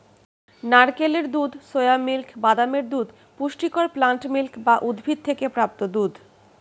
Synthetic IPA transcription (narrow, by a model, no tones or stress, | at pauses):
naɾkeleɾd̪ud̪sojamilkʰbad̪ameɾd̪ud̪ | puʃʈikoɾplaɳʈmilkʰbaʔud̪bʱid̪̚t̪ʰekepɾap̚t̪od̪ud̪